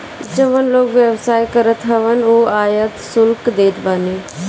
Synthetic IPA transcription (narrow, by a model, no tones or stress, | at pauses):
d͡ʒəʋənloːkʋjəʋsaːjkəɾət̪ɦəʋənoːaːjət̪sʊlkd̪eːt̪baːneː